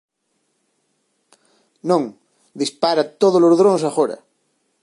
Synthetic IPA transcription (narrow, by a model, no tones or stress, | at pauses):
nõŋ | d̪ispaɾat̪oðolozðɾoŋsaxoɾɐ̰